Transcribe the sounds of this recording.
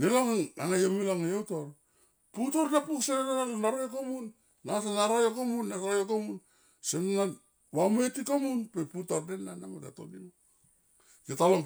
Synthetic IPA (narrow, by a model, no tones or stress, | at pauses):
nelaŋaaŋajomilaŋajowtor | putoɾnapuksenanonalnaɾojokomunː | atanaɾojokomunːaɾojokomun | senonan | wametikomunpeputordenanamota̰to̰nim | ketaloŋ